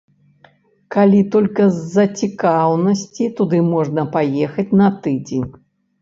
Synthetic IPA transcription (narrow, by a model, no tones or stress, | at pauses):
kalʲit̪ɔlʲkɐzːɐt͡sʲikawnɐsʲt͡sʲit̪ud̪ɨmɔʐnɐpajexɐt͡sʲnɐt̪ɨd͡zʲenʲ